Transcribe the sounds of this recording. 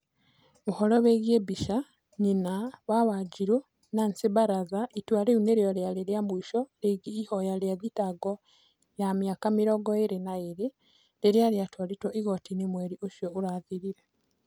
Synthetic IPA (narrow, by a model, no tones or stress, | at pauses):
muhɔloβeɣjebiʃa | ɲinaβawaɟiɾo | nansiβaɾaðaʔitwaɾeuneɾjoljaleɾjamuiʃɔɾeɡiːhojaljaðitaɡo | jamjakamiɾoɡɔeɾenaeɾe | leɾjaljatwaɾitwɔʔiɣotinimweɾiʔoʃjouɾaðiɾiɾe